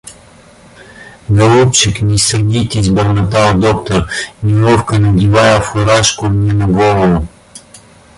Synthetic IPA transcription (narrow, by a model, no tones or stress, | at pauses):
ɡɐlˠupt͡ʃiknʲisɐɡʲit̪ʲiːzbɛɾnɐt̪aod̪ɔk̚t̪oɾniɔfkənɐɡ̪ʲivajafoɾaʃkonʲɛnɐɡɔlˠovo